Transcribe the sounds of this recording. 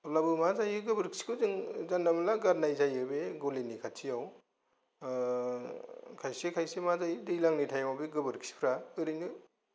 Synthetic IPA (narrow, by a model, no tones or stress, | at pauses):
labɯmazajɯɡɯbɯɾkʰsi̥kʰɯzɯŋzandamalaɡaɾnajzajɯbeɡolenikʰatʰijaw | kʰajsekʰajsemazajdɯjlaŋnitʰajmabeɡɯbɯɾkʰi̥si̥pʰɾaɯɾɯjnɯ